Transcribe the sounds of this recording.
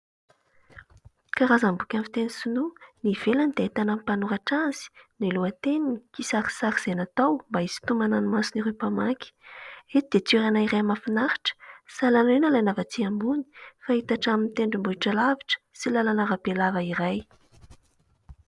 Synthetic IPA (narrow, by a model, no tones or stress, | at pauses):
kaɾazambukʲamfit̪enisununiv̥elanid̪eet̪anamipanuɾaʈ͡ʂanz̥i̥nuiluət̪eniikisaɾi̥saɾiz̥enat̪awmbaiz̥i̥t̪umananimasuniɾepamakʲi̥et̪id̪̥et͡suɾanaiɾejamafinaɾi̥ʈ͡ʂə̥salanenalajnavat͡siambuni̥fait̪aʈ͡ʂaminit̪eɳɖ͡ʐimbuiʈ͡ʂalaviʈ͡ʂə̥silalanaɾabelavəiɾaj